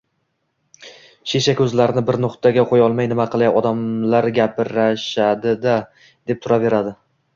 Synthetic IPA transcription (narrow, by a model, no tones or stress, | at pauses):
ʃeʃakʲɵzlaɾɪnɪbɪɾnʊqt̪ʰaɡʲaqʰojɒlˠmajnɪmaqʰɨlˠajɒd̪amlaɾɡʲapɾaʃad̪ɪd̪a | d̪̥e̞p̚t̪ʰʊɾave̞ɾad̪ɪ